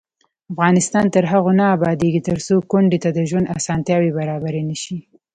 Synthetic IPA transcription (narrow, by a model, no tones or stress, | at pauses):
afɣɑnɪst̪ɑnt̪əɾɦaɣonaːbɑd̪eɡit̪əɾsokʊɳɖet̪ad̪əʒwand̪asɑnt̪jɑwebaɾɑbaɾenəʃi